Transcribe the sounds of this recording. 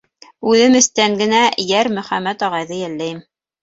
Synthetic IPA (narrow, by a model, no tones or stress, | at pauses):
ʉðɘmɘ̆st̪æŋɡɘ̆næjæɾmɵ̆χæmːæt̪ɒʁɑjðɤjælːæjɘm